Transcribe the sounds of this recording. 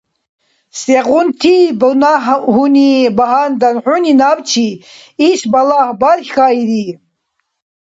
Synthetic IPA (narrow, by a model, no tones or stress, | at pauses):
seʁunt̪ʰibənaɦhunibaɦand̪anħuninabt͡ʃʰiisbalahbaɾxʲxajɾi